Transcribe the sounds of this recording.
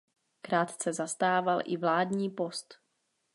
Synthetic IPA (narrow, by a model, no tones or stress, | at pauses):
kɾaːt̪t͡sɛzast̪aːvalʔɪ̰vlaːd̪ɲiːpo̞st̪